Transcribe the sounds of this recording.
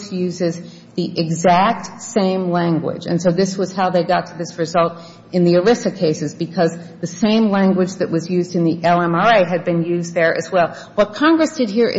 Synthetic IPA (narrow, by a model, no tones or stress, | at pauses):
sjʉzɪz | ðiʔɨɡzæk̚tsẽɪ̃mlæ̃ŋɡwɪ̰d͡ʒɨ̰̃nsoʊðɪswʌz̥haʊðeɪɡɑtʰɨðɪsɹɨzʌlˠt | ɨ̃nðiə˞ɪsɨkʰeɪsɨzbɨkʰʌz | ðɨsẽɪ̃mlæ̃ŋɡwɨd͡ʒðɨʔwʌzjʉzdɨ̃nðiʔɛlˠɛ̃mɑɹeɪɨd̚bɨ̃njʉzðə˞ʔɨ̰zwɛlˠ | wʌt̚kʰɑ̃ŋɡɹɨsd̥ɨd̚ɦiɹʔɨ̰